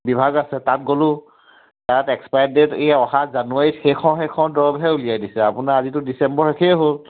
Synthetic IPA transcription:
bibʱaɡasɛtat̚ɡolʊ̃ | tatɛkspajndɛtejaɔɦazanuaɹitxekʰɔ̃wɦekʰɔ̃dɔɹɔbɦɛulijajdisɛapʊnaazitʊdisɛmbɔɹɛkʰɛɦol

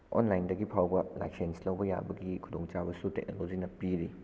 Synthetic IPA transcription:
o̰nlajndɐɡipʰawbɐla̰jksenslɐwbɐja̰bɐɡikʰudoŋt͡ʃabɐsutek̚no̰lod͡ʒinɐpiɾi

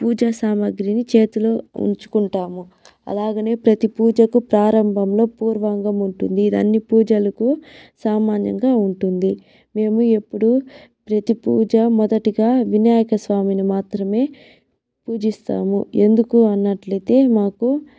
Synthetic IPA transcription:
puːd͡ʒasaːmɐɡɾinit͡ʃe̞ːt̪ulo̞ːṵɲt͡ʃu̥kuɳʈaːmu | ɐ̰laːɡɐneːpɾɐt̪ipuːd͡ʒɐkupɾaːɾɐmbʱɐmlo̞ːpuːɾʋaːŋɡɐmuɳʈund̪iːd̪ɐ̰nːipuːd͡ʒɐlɐkusaːmaːnjɐ̰ŋɡaːuɳʈund̪i | me̞ːmue̞pːuɽupɾɐt̪ipuːd͡ʒɐmɔd̪ɐʈiɡaːʋinjaːjɐkɐsʋaːminimaːt̪ɾɐme̞ː | puːd͡ʒist̪a̰ːmṵe̞nd̪ukuɐnːɐʈlɐt̪e̞ːmaːku

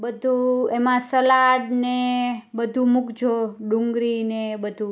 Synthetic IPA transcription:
bəd̪ʱuemãsəlaɽnebəd̪ʱumʊkd͡ʒʱoɖuŋɡɾinebəd̪ʱu

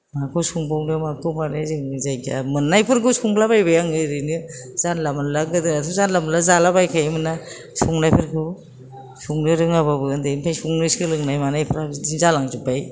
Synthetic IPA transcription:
makʰɯwsuŋbawnɯmakʰɯwmanajzɯŋzajka̰mɯnːajpʰɯɾkɯsuŋlabajbajaŋɯɾɯnɯz̥anlamnlaɡɯdɯnatʰuzanlamlazalabajkʰajmɯna | suŋnajpʰɯɾkʰɯ | suŋnɯɾɯŋaβabɯɯndeinpʰajsuŋnɯskɯɾɯŋnajmanajpʰɯɾadinzalaŋzubaj

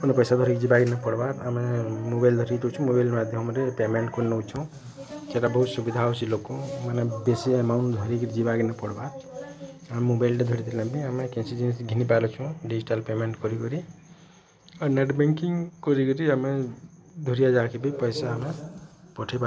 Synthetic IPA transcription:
punepɔjsad̪ʱɔɾikd͡ʒibaɡinapɔɽbaɾamemobajld̪ʱɔɾikʈɔt͡ʃʰũmobajlmad̪ʱjɦɔmɾepemeɳʈkonnɔwt͡ʃʰũ | t͡ʃeʈabɔɦut̪subid̪ʱawsʰilokːomanebesiemawnd̪ʱɔɾikɾd͡ʒibaɡinapɔɽbaɾ | amemobajlʈed̪ʱɔɾit̪ilãbiamekẽnsid͡ʒensɡʱinipaɾɔt͡ʃʰũɖid͡ʒiʈalpemeɳʈkɔɾikɔɾi | aneʈbeŋkiŋkɔɾikɔɾiamẽ | d̪ʱuɾijad͡ʒakʰibipɔjsaːmepɔʈʰipa

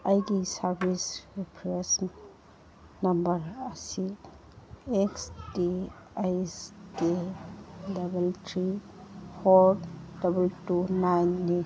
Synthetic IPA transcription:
ajɡisɐɾbisɾipʰɾes | nɐmbɐɾɐsi | eksdiajsde | dɐbeltʰɾi | pʰoɾdɐbɐltunajnːi

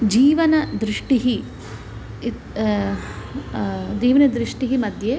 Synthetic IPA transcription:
d͡ʒiːʋɐnɐd̪ɾiʂʈiɦi | d͡ʒiːʋɐnɐd̪ɾiʂʈiɦimɐd̪ʱje

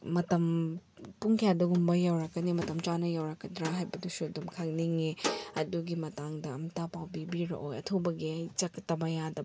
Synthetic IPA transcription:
mɐtɐmpuŋkʰijadɐɡumbɐjawɾɐkːɐnimɐtɐmt͡ʃanɐjawɾɐkːɐdɾaɦajbɐdusudumkʰaŋ̚niŋeɐduɡimɐtaŋdɐɐmtapawbibiɾɐ̰ʔojɐ̰tʰobɐɡijt͡ʃɐktːɐbɐjadɐ

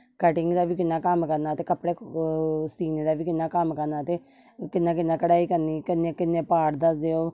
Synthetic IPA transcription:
kəʈɪŋɡd̪aːʋiːkɪnːaːkəmkəɾnaːət̪eːkəpːɽeː | siːneːd̪aːʋiːkɪnːãːkəmkəɾnaːt̪eː | kɪnːãːkɪnːãːkəɽaːiːkəɾniːkɪnːeːkɪnːẽːpaːʈd̪asd̪eːoː

